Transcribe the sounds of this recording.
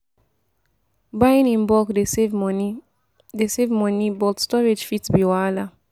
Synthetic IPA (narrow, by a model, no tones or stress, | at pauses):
bajĩnĩnbɔkdeev | desevmɔnibɔtstɔɹed͡ʒfitbiwala